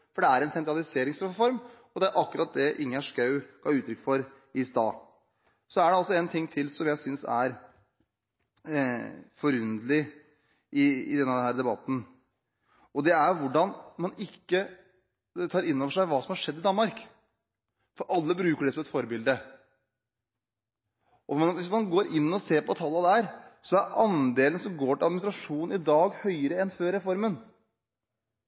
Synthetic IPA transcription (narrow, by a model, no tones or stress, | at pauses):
fɔɖɛæɾɛnsɛnt̪ɾɑlɪseːɾɪŋsɾfɔɾm | ɔd̪ɛæɾʔɑkːʉɾɑt̪̚d̪ɛʔɪŋːæʂkɑʉɡ̥ɑɾʉːt̪ʰɾʏkːfɔɾ | ɪst̪ɑ̰ː | sɔæɖɛɔsːɔɛnt̪ʰɪŋːt̪ʰɪlsɔmjæɪsʏnsæ̰ɾ | fɔɾʉnd̪əlɪ | ʔɪɪ̰d̪ɛnːəd̪ɛnhæːɾd̪ɛbɑt̪ːn̩ | ɔd̪ɛæɾʋʊɖɑnmɑnɪkːə | t̪ʰɑːɾɪnːɔʋəʂæɪʋɑːsɔmhɑʂɛd̪ːɪd̪ɑnmɑɾk | fɔɾʔɑlːəbɾʉːkəɖɛsɔmɛt̪fɔɾbɪld̪ə | ʔɔʋɪsmɑnɡoːɾʔɪnːɔseːɾpɔt̪ʰɑlːɑd̪æɾsɔæɾʔɑnd̪eːlənsɔmɡoːʈɪlɑd̪mɪnst̪ɾɑʂuːn̩ɪd̪ɑːɡhœʏəɾəɛnføːɾɛfɔɾmən